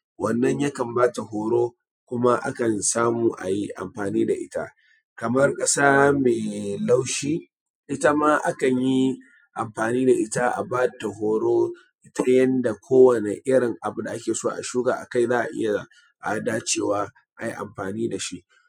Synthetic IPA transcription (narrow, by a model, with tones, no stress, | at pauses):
wɐ˦˨nːɐ˦ɲja˦kɐ˨mbaː˦ta˨hoː˨ɽoː˦ | kʷʊ˦ma˦ʔa̰˦kɐ˨nsaː˦muː˨ʔa̰˨ji˦ʔa̰˨mɸaː˨niː˦da˨ʔɪ˦ta̰˦ | kɐ˨mɐ˦rkʼɐ˦saː˦meː˨la˦wʃiː˦ | ʔɪ˦ta˦ma˦ʔa˦kɐ˨ɲji˦ | ʔa˨mɸaː˨niː˦da˨ʔɪ˦ta˦ʔa̰˨baː˦ta˨ɦoː˦ɽoː˦ | ʔɪ˦ta˦jɐ˦nda˨kʷʰoː˦wɐ˨ne˨ʔɪ˦ɽɪ˨ŋʔa˨bʊ˨da˨ʔa˦kʲeː˨soː˦a˨ʔa̰˨ʃuː˦ɡaː˨ʔa˨ka˦jzaː˦ʔa̰˨ʔɪ̰˦ja˨ | ʔa˨daː˦t͡ʃeː˦˨waː˦ | ʔa˨ji˦ʔa̰˨mɸaː˨niː˦da˨ʃi˦ʔ